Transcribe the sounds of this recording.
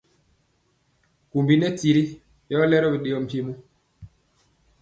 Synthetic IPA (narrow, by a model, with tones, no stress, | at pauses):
ku˨mbi˦nɛ˦ti˨ɾi˦ | jɔ˦lɛ˦ɾɔ˦bi˨ɗe˨jɔ˨m̩˨pje˦mu˦